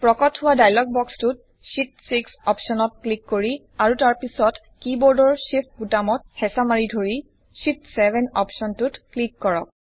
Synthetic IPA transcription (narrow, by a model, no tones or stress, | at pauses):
pɹɔkɔthʊwadajlɔɡ̚bɔkstut̚ | sitsiksɔpsɔnɔt̚klikːoɹi | aɹutaɹpisɔt | kibɔɹdɔɹsip̚ʰbutamɔt̚hɛsamaɹidʱoɹi | ʃitsɛbʱɛnɔ̰psɔntutklikːɔɹɔ̰k̚